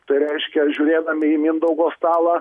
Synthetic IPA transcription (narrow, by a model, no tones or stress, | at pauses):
t̪ɐɪɾʲɛɪʃʲkʲɛʒʲuːɾʲeːd̪ɐmʲɪimʲɪnd̪ɐʊɡoːst̪ɑːlˠɑ